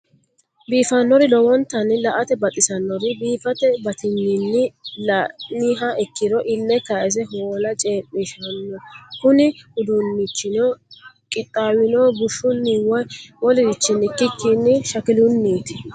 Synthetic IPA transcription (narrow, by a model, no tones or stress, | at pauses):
biːfɐnːɔɾɪlɔwɔnt̪ːɐnɪlɐʔɐt̪ɛbɐt̪ʼɪsɐnːɔɾɪbiːfɐt̪ɛbɐt̪ɪnːɪnːɪlɐniːɦɐɛkːɪd̪ɔʔɪnːɛkɐʔɛs̬ɛɦoːlɐt͡ʃʼeːmːɪʃɐnːɔkʊnɪhʊd̪ʊnːɪt͡ʃːɪno | kʼɪt̪ʼːaːwɪnoːbʊʃːʊnːiwɔjwɔlɪɾɪt͡ʃːɪnɪkːɪkːɪnːɪʃɐkɪlʊnːiːt̪ɪ̥